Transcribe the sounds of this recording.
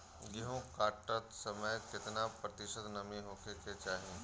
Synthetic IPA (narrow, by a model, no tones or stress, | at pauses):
jeɦõkaːʈət̪sɐməjkɪt̪napɾɐt̪ɪʃəd̪nɐmĩɦoːkʰeket͡ʃaːɦiẽ